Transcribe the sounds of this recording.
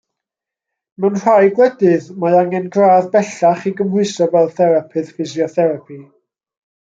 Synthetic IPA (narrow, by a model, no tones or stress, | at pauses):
mɛwnr̥ajɡwɛdɨðmaaŋɛnɡraːðbɛɬaχiɡəmhʊɨsɔvɛlˠθɛɾapʰɨðfɪzjɔθɛɾapʰi